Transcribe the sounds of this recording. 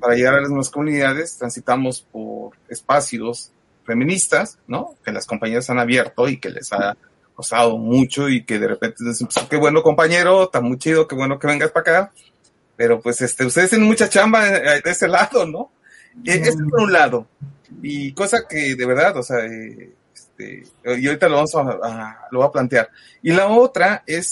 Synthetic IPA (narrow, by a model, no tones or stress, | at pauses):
paɾaʝe̞ɣaɾalaznweβasko̞mũniðaðe̞st̪ɾansit̪amo̞spo̞̰ɾe̞̰spasjo̞s | fe̞mĩnist̪asno̞ke̞laskompaɲeɾasanaβje̞ɾt̪o̞ike̞̰lḛsa | kost̪aðo̞mut͡ʃo̞ike̞ðe̞repent̪enosepsoke̞βwe̞noko̞mpaɲe̞ɾo̞t̪amujt͡ʃiðokeβwe̞no̞ke̞βe̞ŋɡaspaka | pe̞ɾo̞pwesest̪eust̪eðst̪enenmut͡ʃat͡ʃambad̪eese̞laðo̞no̞ | eʔest̪espoɾunlaðo̞ | iko̞sake̞ðe̞βe̞ɾðaðo̞seae | est̪ḛ | io̞ɾit̪aloβamosaːloβoaplant̪jaɾ | ilao̞t̪ɾae̞s